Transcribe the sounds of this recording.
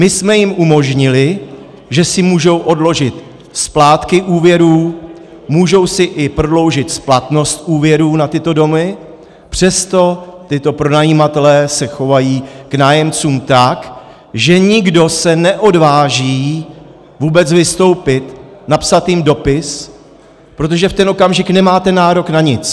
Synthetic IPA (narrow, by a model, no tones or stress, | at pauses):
mɪsmɛjɪmʔumo̞ʒɲɪlɪ | ʒɛsɪmuːʒo̞wʔo̞dlo̞ʒɪt̪ | splaːt̪kɪʔuːvjɛɾuː | muːʒo̞wsɪʔɪpɾodlo̞wʒɪt̪splat̪no̞st̪ʔuːvjɛɾuːnat̪ɪt̪o̞do̞mɪ | pr̝̥ɛst̪o̞t̪ɪt̪o̞pɾo̞najiːmat̪ɛlɛːsɛxo̞vajiːknaːjɛmt͡suːmt̪ak | ʒɛɲɪɡdo̞sɛnɛʔo̞dvaːʒiː | vuːbɛt͡svɪst̪o̞wpɪt̪napsat̪jɪmdo̞pɪs | pɾo̞t̪̬o̞ʒɛft̪ɛnʔo̞kamʒɪknɛmaːt̪ɛnaːɾo̞knaɲɪt͡s